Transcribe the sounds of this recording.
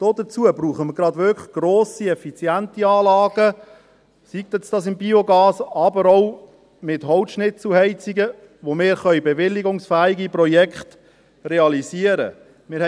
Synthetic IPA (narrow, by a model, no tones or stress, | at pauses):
d̪̥oːd̥̪ət͡suəbɾuːχəməɾɡɾɑd̪ʋʏkɡ̥ɾoːsiɛfit͡sjænt̪iɑːlɑːɡ̥ə | sik̚t̪ɛt͡sd̥ɑsɪmbioɡɑːsɑbəɾɔw | mɪtɦɔʊwtʃnɪt͡sl̩ɦɛɪt͡siɡə | ʋomɪːɾχœʏbɛʋɪlːiɡʊŋsfæːiɡipɾɔjɛkχt | reɑlisiəɾə̰ | mɪːɾ